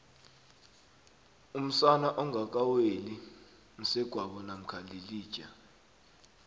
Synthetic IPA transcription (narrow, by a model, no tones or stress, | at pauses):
um̩sanaʔɔŋʱak̬ʼaweli | ŋ̩sɛɡ̥ʱwaɓɔnam̩kʰaliliːd̥ʒ̥ʼʱa